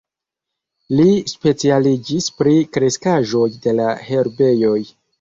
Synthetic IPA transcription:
lispe̞t͡sialid͡ʒispɾikɾe̞skaʒo̞jde̞lahe̞ɾbe̞jo̞j

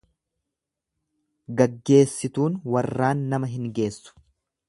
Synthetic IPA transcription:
ɡɐɡːe̞ːsːɪt̪uːnwɐrːaːnːɐmɐɦɪŋɡe̞ːsːʊ̥

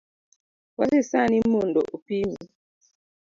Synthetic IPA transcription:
wasisanimondɔ̰ʔupimḭ

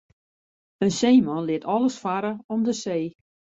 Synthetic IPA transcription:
ənseːmɔnlɪətɔlˠəsfaɾəɔmdəseː

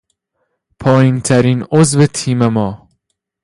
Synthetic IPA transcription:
pʰɒːjint̪ʰæɾiːnozvet̪ʰiːmemɒː

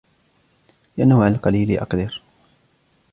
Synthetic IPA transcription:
ɪʔanhwʕalqɑliːliʔɑ̰qd̪ɑɾ

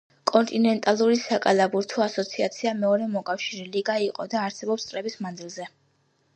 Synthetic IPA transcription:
kʼɔnt̪ʼinɛnt̪ʼalˠuɾisakʼalabuɾt̪ʰɔasɔt̪sʰiat̪sʰiamɛɔɾɛmɔkʼafʃiɾɛliɡaiqʼɔ̰d̪aːɾsɛbɔpst̪sʼɾɛbismand̪zilˠzɛ

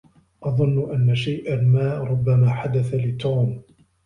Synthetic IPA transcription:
ʔɑðˤʊnːʊʔanːaʃajʔanmaːʔɾˤʊbːamaːħad̪aθalɪt̪oːm

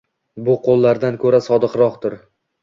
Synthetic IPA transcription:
bʊqʰolˠːaɾd̪ankʰɵɾasɒd̪ɨqɾɒqt̪ɪɾ

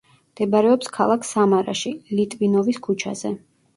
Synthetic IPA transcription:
md̪̥ɛbaɾɛɔpskʰalˠakʰsamaɾa̰ʃilit̪ʼvinɔviskʰut͡ʃʰa̰z̥ɛ

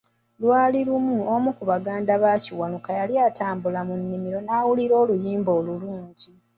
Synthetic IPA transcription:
lwaːliɾumuomukuβaɡaːndaβaciwanukajaljataːmbulamunːimiɾo̞naːwuliɾo̞ːlujiːmbo̞ːluluːɲɟi

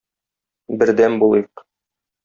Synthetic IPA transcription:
bɘ̆ɾd̪æmbulˠɤjq

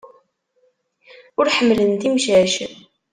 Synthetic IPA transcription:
ʊɾħəmːlənt̪imʃæʃən

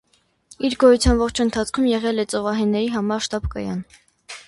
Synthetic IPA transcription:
iɾɡɔjut͡sʰjɑnvɔχt͡ʃʰənt̪ʰɑt͡sʰkʰumjɛʁɛlɛt͡sɔvɑɦɛnːɛɾiɦɑmɑɾʃt̪ɑbkɑ̰jɑ̰n

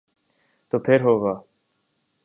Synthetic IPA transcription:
t̪oːpʰɪɾɦoːɡaː

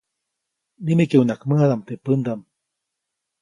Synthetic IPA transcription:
nimekeunakmɨhad̪amt̪epɨnd̪am

